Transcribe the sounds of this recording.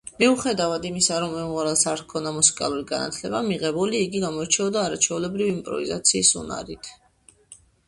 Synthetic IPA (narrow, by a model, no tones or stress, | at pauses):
miuχɛd̪avad̪imisaɾɔmːɛmʁaɾɛlˠsaɾt̪kʰɔnd̪amusi̥kʼa̰lˠuɾiɡana̰t̪ʰlɛbamiʁɛbuliːɡiɡamɔt͡ʃʰɛɔd̪aːɾat͡ʃʰɛulɛbɾiviimpʼɾɔ̰vḭza̰t̪sʰiːsṵna̰ɾit̪ʰ